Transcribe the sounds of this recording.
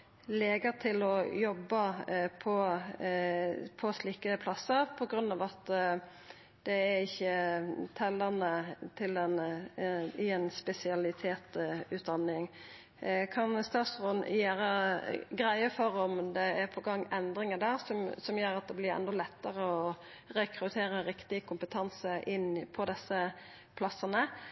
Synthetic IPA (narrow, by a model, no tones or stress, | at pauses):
leːɡəɾt̪ʰɪlɔjɔbːəpʰɔ | pʰɔsliːkəpʰlɑsːəɾpʰɔɡɾʉnːɑːʋɑt̪ | d̪̥ɛæɾɪçːət̪ʰɛlːəʁnət̪ʰɪlɛn | ɪɛnspɛsɪɑlɪt̪ʰeːt̪ʉːt̪d̪ɑnːɪŋ | kʰɑnst̪ɑːt̪sʁɔnjæːɾəɡɾæɪəfɔɾɔmd̪ɛæɾpʰɔɡɑŋːɛnd̪ɾɪŋəd̪æːɾsɔmsɔmjøːɾɑt̪̚d̪ɛblɪɾɛ̰nːɔlɛt̪ːəɾəɔ | ɾɛkʰɾʉt̪ʰeːɾəɾɪkt̪ɪkʰʊmpət̪ʰɑnsəʔɪnːpʰɔd̪ɛsːə | pʰlɑsːənə